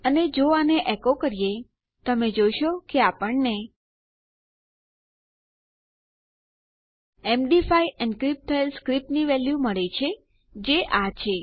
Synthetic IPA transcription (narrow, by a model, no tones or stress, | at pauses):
əned͡ʒoaneʔɛkokəɾije | t̪əmed͡ʒojʃokeapəɳne | emɖifaiɛnkɾip̚t̪ʰəelskɾip̚niʋɛljuməɭet͡ʃʰe | d͡ʒeʔat͡ʃʰe